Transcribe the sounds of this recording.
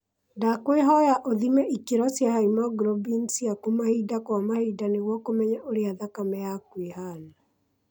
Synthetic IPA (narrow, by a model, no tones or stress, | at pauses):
ndakweɦɔjaʔoðimɛʔikeɾɔsjahaimaɡɾɔbinsijakumahidakwamahidaneɣwɔkomɛɲɛʔoɾeaðakamɛjakwehana